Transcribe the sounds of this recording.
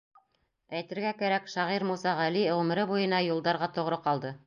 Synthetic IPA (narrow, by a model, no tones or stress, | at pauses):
æjt̪ɘ̆ɾɡækæɾækʃɑʁiɾmusɑʁæliʁɵ̆mɘ̆ɾɘbujɤ̆nɑjulˠd̪ɑɾʁɑt̪ŏʁɾɤqɑlˠd̪ɤ